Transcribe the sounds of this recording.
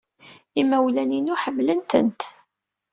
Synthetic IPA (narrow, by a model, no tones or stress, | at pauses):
imæwlæninuħəmːlənt̪ə̰nt̪